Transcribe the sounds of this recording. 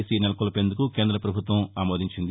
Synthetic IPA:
sinɛlɐkulɐpeːnd̪ukuke̞ːnd̪ɾɐpɾɐbʱut̪ʋɐmaːmoːd̪iɲt͡ʃind̪i

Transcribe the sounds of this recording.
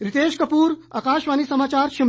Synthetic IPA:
ɾit̪eːʃkɐpuːɾa̰ːkaːʃʋaːnisɐmaːt͡ʃaːɾʃɐm

